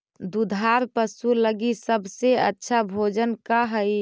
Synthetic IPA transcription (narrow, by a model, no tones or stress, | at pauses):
d̪ud̪ʱaɾpəsuləɡisəbseə̰tːʃʰabʱod͡ʒənkaɦəj